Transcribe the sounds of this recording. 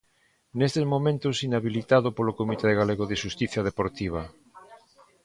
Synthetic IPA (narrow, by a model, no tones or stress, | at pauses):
nest̪ezmomẽnt̪osinaβilit̪aðopolokomit̪eðeɣaleɣoðeʃust̪iθjað̞epoɾt̪iβ̞a